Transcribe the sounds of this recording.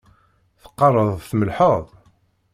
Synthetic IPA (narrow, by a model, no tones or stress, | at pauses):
θə̥qːɑrˤːəðˤθməlħəðˤ